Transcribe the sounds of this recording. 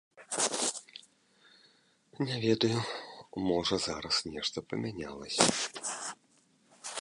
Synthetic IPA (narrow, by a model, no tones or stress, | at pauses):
nʲɛvʲɛd̪ɐjumɔʐɐzaɾɐsnʲɛʂt̪ɐpɐmʲænʲa̰lˠɐ̰sʲɐ̰